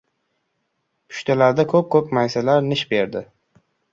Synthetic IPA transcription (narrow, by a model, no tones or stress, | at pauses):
pʰʊ̥ʃt̪ʰalaɾd̪akʰɵp̚kʰɵpmajsalaɾnɪʃbe̞ɾd̪ɪ